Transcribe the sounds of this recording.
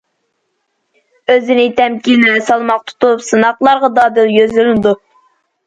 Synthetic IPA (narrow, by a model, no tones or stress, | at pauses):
øzɪnɪt̪ʰɛmkʲinɪɾɛsɑlˠmɑq̚t̪ʰu̥t̪upsɨnɑqlˠɑɾʁɑd̪ɑːd̪ɪljøzlylɪnɪd̪u